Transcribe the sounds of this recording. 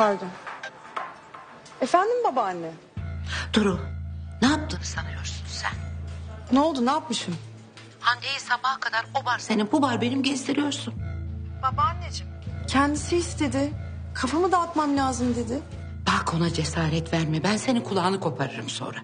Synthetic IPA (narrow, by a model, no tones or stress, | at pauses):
aɾd̪a | efænd̪imbabanːɯ | d̪̥uɾunaap̚t̪ʰɯnɯsanɯjo̞ɾsunsæ̰nno̞lˠd̪unaːpmɯʃim | hand̪ejisabahkʰad̪aɾbuvaɾse̞nibuvaɾbe̞nimɟɛst̪ʰiɾijo̞ɾsunb̥abaned͡ʒimcʰɛnd̪isiist̪ʰe̞d̪ɪ | kʰafamɯd̪aːt̪mamlʲaːzɯmd̪e̞d̪ɪ | b̥akʰo̞nad͡ʒe̞saːɾɛt̪væɾmɛbænse̞nikʰulˠaːnɯkʰo̞pʰaɾɯɾɯmso̰nɾa